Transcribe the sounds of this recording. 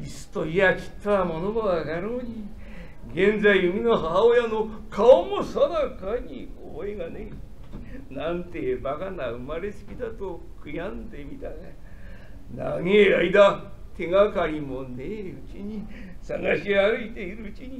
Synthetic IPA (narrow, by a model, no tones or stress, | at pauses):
isɨ̥t̪oiaki̥t̪ːaamo̞nobaβaɡaɾoːɲi | ɡẽ̞nd͡zaiɯmʲinoɦaɦaojano̞ | kʰaomosad̪akaɲio̰meɡane | nãnt̪e̞bakanaɯmaɾe̞sɨ̥kʲid̪at̪o | kʰɯ̟jãnd̪e̞mʲit̪aɡa | na̰ŋeaid̪at̪e̞ŋakaɾʲimoneɯt͡ɕiɲ̟isa̰ŋɡaɕiaɾɯit̪e̞iɾɯ̟ɯt͡ɕiɲi